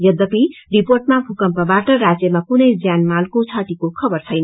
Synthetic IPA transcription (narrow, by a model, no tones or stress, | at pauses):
jʌd̪ʌpiriporʈmabʱukʌmpʌbaʈʌrad͡zjʌmakunʌjd͡zjanmalkot͡sʰʌʈikokʰʌbʌrt͡sʰʌjnʌ